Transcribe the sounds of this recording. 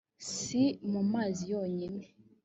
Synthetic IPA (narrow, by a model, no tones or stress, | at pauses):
simumaːzijoːɲine